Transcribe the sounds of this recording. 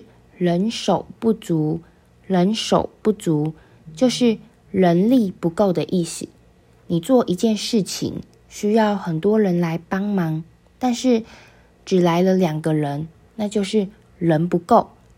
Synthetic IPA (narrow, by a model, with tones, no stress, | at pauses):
ɻə˧˦nʂo˨˩ʊpu˥˩t͡su˨˥ | ɻə˧˦nʂo̰˨˩ʊpu˥˩t͡su˨˦ | t͡ɕjo˥˧ʊʂɻ̩˥˩ | ɻə˧˦˥nli˥˨pu˧˥ko˥˩ʊd̪ə˨ʔi˥˩ɕḭ˨˩˦ | ni˨˩t͡swɔ˥˩ʔi˧˥t͡ɕjɛ˥˧nʂɻ̩˥˩t͡ɕʰḭ˧˦ŋ | ɕy˥jɑ˥˩ʊxə˨˩nt̪wɔ˦˥ɻə˧˦nla˧˦ɪpɑ˥ŋmɑ˨˦ŋ | t̪a˥˧nʂɻ̩˥˩ | ʈ͡ʂɻ̩˨˩la˧˦ɪlə˧ljɑ˨˩ŋɡə˦ɻə˧˦n | na˥˧t͡ɕjo˥˧ʊʂɻ̩˥˩ | ɻə˧˦npu˧˥ko˥˨˩ʊ